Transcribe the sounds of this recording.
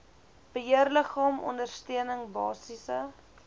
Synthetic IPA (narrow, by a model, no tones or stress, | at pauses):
b̥əɦiərləχɑːmɔ̰ndərstiənəŋbɑːsisə